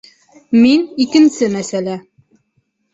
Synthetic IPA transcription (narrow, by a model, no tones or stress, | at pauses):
minikɘ̆nsɘmæsælæ